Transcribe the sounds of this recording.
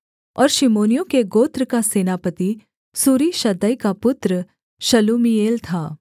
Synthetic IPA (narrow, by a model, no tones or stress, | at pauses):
ɔ̰ːɾʃɪmoːnijõkeɡoːt̪ɾəkaseːnaːpət̪i | suːɾiʃɐd̪əikapʊt̪ɾə | ʃɐluːmieːlt̪ʰaː